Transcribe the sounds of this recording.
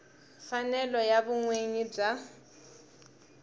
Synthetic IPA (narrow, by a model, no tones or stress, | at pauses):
fanɛlɔjaβʊŋweɲib͡ʐa